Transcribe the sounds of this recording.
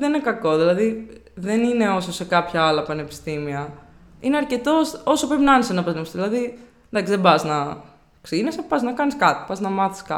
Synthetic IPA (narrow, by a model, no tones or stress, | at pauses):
ðeninekɐko̞ðilɐði | ðe̞nine̞o̞sose̞kɐpçɐɐlɐpɐnepi̥st̪imiɐ | ineɐɾce̞t̪ososopɾepinɐɐnesenɐpɐnemsðilɐði | d̪ɐksizðebɐznɐ | ksinesepɐznɐkɐniskɐt̪i̥pɐznɐmɐθi̥skɐ̰